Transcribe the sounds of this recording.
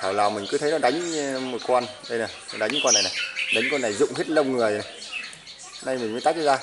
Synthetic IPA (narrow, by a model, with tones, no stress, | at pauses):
t̪ʰaː˧˩wlaː˨˩wmï˨˩ŋ̟kɨ˨˦t̪ʰə˨˦jnɔ˨˦ɗa˨˦jŋ̟˧mɨ˨˩jkwaː˧nɗə˧jna˨˩jnɔ˨˦ɗa˨˦jŋ˦˧kwa˧nːa˨˩jna˨˩jɗa˨˦ŋkwa˧nːa˨˩jzʊ̰˧˨ŋ͡mh̪i˦˥t̚lə˧wŋ͡mŋɨ˨˩əj | na˧jmi̟˨˩məː˨˦jt̪a˦˥t̚kːa˨˧zaː˧